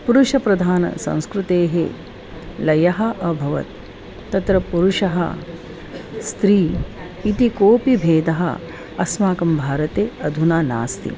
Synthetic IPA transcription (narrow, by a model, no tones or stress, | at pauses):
puɾuʃɐpɾɐd̪ʱaːnɐ̰sɐ̰̃w̃skɾut̪eːɦḛ | lɐjɐɦɐ̆ʔɐbʱɐʋɐ̰t̪ː | ɐt̪ɾɐpuɾuʃɐɦɐ̰ | st̪ɾiː | it̪ikoːpibʱeːd̪ɐɦɐ̰ | ɐsmaːkɐmbʱaːɾɐt̪eːɐd̪ʱunaːna̰ːst̪ḭ